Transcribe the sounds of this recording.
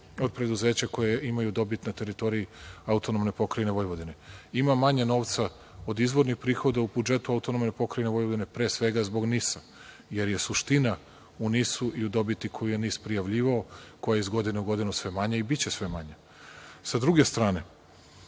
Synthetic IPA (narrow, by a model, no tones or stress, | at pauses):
o̞d̪̚pɾe̞d̪uze̞ːt͡ɕako̞jeimajud̪o̞bit̪nat̪e̞ɾit̪o̞ɾijiaut̪onomne̞po̞kɾajneʋo̞jʋo̞d̪ine̞imamaɲeno̞ːʋt̪sa | o̞d̪izʋo̞ɾnixpɾiːxo̞d̪aubud͡ʒe̞t̪uaut̪onomnepo̞kɾajneʋo̞jʋod̪ine̞pɾe̞ːsʋe̞ɡazbo̞ɡnisa | je̞ɾje̞suʃt̪ina | unisuʔiud̪o̞bit̪ikʰo̞jije̞nispɾijaʋʎiːʋaoko̞jaeizɡo̞d̪ineuɡo̞d̪inusʋe̞maɲeibit͡ɕe̞sʋe̞maɲe | sad̪ɾuɡe̞st̪ɾaːne̞